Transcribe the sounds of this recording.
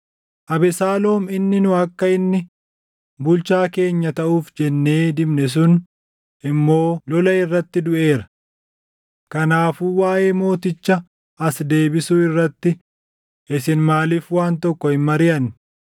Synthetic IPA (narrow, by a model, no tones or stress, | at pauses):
ʔɐbɛsaːloːmɪnːɪnʊɐkːɐɪnːɪ | bʊlt͡ʃaːke̞ːɲːɐt̪ɐʔuːfd͡ʒɛnːe̞ːd̪ɪbnɛs̬ʊn | ʔɪmːo̞ːlɔlɐɪrːɐt̪ːɪd̪ʊʔe̞ːɾɐ̥ | kɐnaːfuwaːʔe̞ːmo̞ːt̪ɪt͡ʃːɐ | ɐsd̪e̞ːbɪsuːɪrːɐt̪ːɪ | ʔɪsɪnmaːliːfwaːnt̪ɔkːɔɪnmɐɾɪjɐnː